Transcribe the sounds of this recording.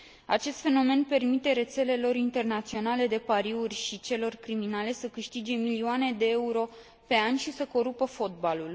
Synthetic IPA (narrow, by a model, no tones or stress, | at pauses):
at͡ʃe̞st̪fe̞no̞me̞npe̞rmit̪e̞ɾe̞t̪se̞le̞lo̞ɾint̪e̞rnat̪sio̞nale̞d̪e̞paɾiurʲʃit͡ʃe̞lo̞rkɾiminale̞səkɨʃt̪id͡ʒe̞milioane̞d̪e̞euɾo̞ | pe̞anʲʃisəko̞ɾupəfo̞t̪̚balul